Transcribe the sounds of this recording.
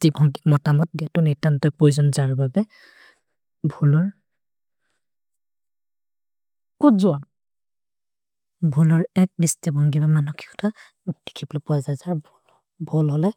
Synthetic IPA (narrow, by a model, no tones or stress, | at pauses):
tibʱɔŋdi̥k̚mɔtamɔt̚ɡɛtʊnitantɔjpɹojzɔnzaɹbabɛ | bʱulɔɹ | kutzʊan | bʱulɔɹɛk̚bistibʱɔŋɡibamanɔkʰi̥kʰɔ̥tʰa | d̥e̥kʰiblɔpɔazajzaɹb | bʱɔlɦɔlɛ